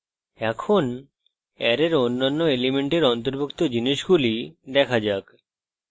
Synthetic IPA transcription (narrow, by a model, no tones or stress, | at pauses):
ɛkʰon | ɛɾeɾonːanːoelemeɳʈeɾɔnt̪oɾbukt̪od͡ʑiniʃɡulid̪ɛkʰad͡ʑak